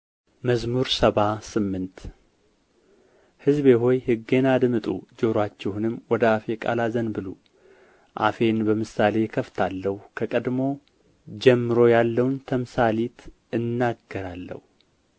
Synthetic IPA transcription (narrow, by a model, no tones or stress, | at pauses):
məzmuɾsəβasɨmːɨnt̪ | hɨzbe̞ɦo̞jhɨɡːe̞nad̪mɨt̪ʼṵd͡ʒoɾwat͡ʃːɛhunɨmwɔd̪əafe̞kʼa̰lazənbɨlu | ʔa̰fe̞nbəmɨsale̞kʰəft̪ʰalːəhukʰəkʼəd̪mo̞ | d͡ʒɛmːɨɾo̞jalːəwnt̪ʰəmsalit̪ | ɨnːaɡːəɾalːə̰hu